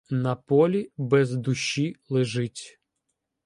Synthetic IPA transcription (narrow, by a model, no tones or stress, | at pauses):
nɐpɔlʲibɛzd̪ʊʃːilˠɪʒɪtʲ